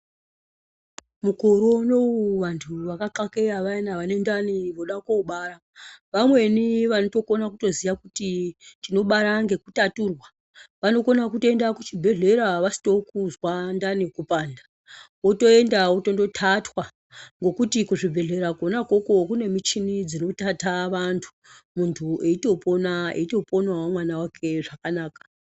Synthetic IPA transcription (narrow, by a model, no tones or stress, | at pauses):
mukoɾo̞no̞uʋantʰuʋakakake̞aʋainaʋane̞ndaniʋo̞ɗakoɓaɾa | ʋamwe̞niʋanoto̞ko̞nakuto̞ziʋakutitino̞ɓaɾaŋɡe̞kutaturwa | ʋano̞konakutoendakut͡ʃibʱe̞ɮe̞ɾaʋasi̥to̞kuzwandanikupaːndḁ | oto̞e̞ndaoto̞ndo̞tʰatwa | ŋɡo̞kutikuʐibʱe̞ɮe̞ɾakonakoko̞kune̞mit͡ʃinid͡zino̞tataʋantʰu̥ | muntʰue̞ito̞ponaḛito̞ponwawamwanawakʰe̞ʐakanaːkḁ